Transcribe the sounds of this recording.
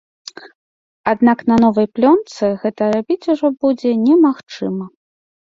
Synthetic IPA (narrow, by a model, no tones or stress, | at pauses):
ad̪naknɐn̪ɔvɐjplʲɔnt̪sɨɣɛt̪ɐɾabʲit͡sʲuʐɔbud͡zʲɛnʲɛmaxt͡ʂɨmɐ